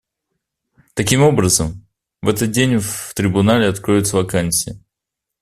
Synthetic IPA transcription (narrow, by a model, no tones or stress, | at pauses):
t̪ɐkʲimo̞bɾəzəm | vɛt̪ət̪̚dʲenʲft̪ɾʲɪbʊnalʲɪɐt̪kɾojʊt̪səvɐkanʲsʲɪɪ